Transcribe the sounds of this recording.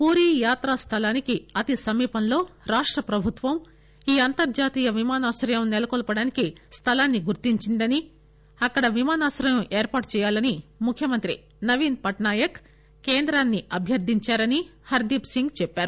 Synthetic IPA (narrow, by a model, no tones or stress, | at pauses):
puːɾiːjaːt̪ɾast̪ʰɐlaːnikiɐt̪isɐmiːpɐnlo̞ːɾaːʂʈɾɐpɾɐbʱut̪ʋɐm | iːɐnt̪ɐɾd͡ʒaːt̪iːjɐʋimaːnaːsɾɐjɐmnɛlɐkɔlpɐɽaːnikist̪ʰɐlaːnːiɡuɾt̪iɲt͡ʃind̪ɐni | ɐkːɐɽɐʋimaːnaːsɾɐjɐmʔeːɾpaːʈt͡ʃɛːjaːlɐnimukʰːjɐmɐnt̪ɾḭ | nɐʋiːnpɐʈɳaːjɐk | keːnd̪ɾaːnːiɐbʱjɐɾd̪ʱiɲt͡ʃaːɾɐnihɐɾd̪ipsiŋɡt͡ʃɛpːaːɾu